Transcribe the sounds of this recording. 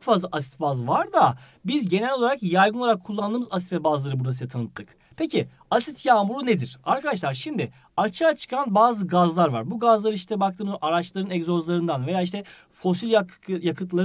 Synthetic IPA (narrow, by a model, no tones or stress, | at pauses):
t͡ʃʰokfazlˠaʔasi̥t̪bazvaɾd̪a | bizɟe̞nɛlʲo̞lˠaɾakjajɡɯnˠaɾakʰːulˠːand̪ɯːmɯzas̬it̪vɛbazlˠaɾɯbuɾd̪as̬ɯjat̪ʰanɯt̪ʰːɯk | pʰeci | asit̪ʰjaːmuɾuned̪iɾ̥aɾkʰad̪aʃ̬lˠaɾʃimd̪ɪ | at͡ʃʰaːt͡ʃʰɯ̥kʰanbaːzɯɡazlˠaɾva̰ɾbuɡazlˠaɾɯiʃt̪ʰɛbak̚t̪ʰɯːmɯʔaɾat͡ʃlˠaɾɯnɛɡzo̞zlˠaɾɯnd̪anve̞jaːiʃt̪ɛ | fo̞silʲja | jakʰɯt̪lˠaɾ